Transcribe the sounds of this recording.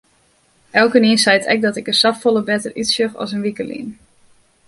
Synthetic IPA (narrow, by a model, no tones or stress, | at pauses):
ʔɛlˠkəniənsɛjətʰɛ̰k̚dɔtɪkəsɑffolˠəbɛtərytsjøχɔ̰s̬ənʋikəlḭən